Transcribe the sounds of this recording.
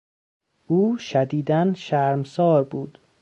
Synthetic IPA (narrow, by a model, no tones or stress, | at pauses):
ʔuːʃæd̪iːd̪ænʃæɾmsɒːɾbuːd̪̥